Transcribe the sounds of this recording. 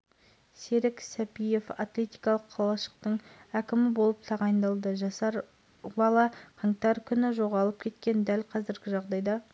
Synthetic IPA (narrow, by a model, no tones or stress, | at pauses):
se̞ɾɪksæpije̞fɑt̪lʲe̞t̪ijkɑlˠəqʰːɑlˠɑʃə̥q̚t̪əɴækʲɪmɪbo̞lˠəp̚t̪ʰɑʁɑjnd̪ɑlˠd̪əʒɑsɑɾ | bɑlˠɑqʰɑŋt̪ɑɾkʲʰʏnɪʒo̞ʁɑlˠəp̚kʲʰe̞t̪kʲe̞nd̪ælqʰɑzɪɾɡʲɪʒɑʁd̪ɑjd̪ɑ